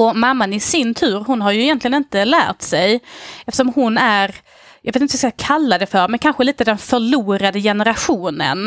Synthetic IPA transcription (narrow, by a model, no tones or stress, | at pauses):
ɔmamːanɪsɪnt̪ʰʉ̟ːɾɦʊnɦaɾjɵɛjɛnt̪lɪɡənɪnt̪əlæ̰ːɾʈ̪sɛjɛft̪əʂɔmhʊnæɾ | jjɑveːt̪ɪnəvɪskakʰalːad̪ɛfœɾmɛnkʰanɧəliːt̪əd̪ɛnfœɭuːɾad̪əjɛnəɾaɧuːnə̰n